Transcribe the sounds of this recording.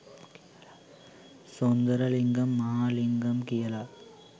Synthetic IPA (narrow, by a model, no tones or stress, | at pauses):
sond̪ɐɾɐliŋɡɐmːɐɦaːliŋɡɐmkijɐla